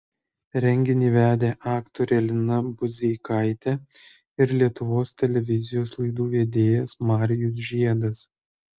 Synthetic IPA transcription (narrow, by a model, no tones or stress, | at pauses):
ɾʲɛŋʲɡʲɪnʲiːʋʲæːd̪ʲeːʔɑːkt̪oːɾʲɛlʲɪnɐbʊzʲɛkʰɐɪt̪ʲɛ | ɪɾlʲiɛt̪ʊʋoːst̪ʲɛlʲɛʋʲɪzʲɪjoːslˠɐɪd̪uːʋʲeːd̪ʲeːjɛsmɑːɾʲɪjʊs̬ʒʲiɛd̪ɐs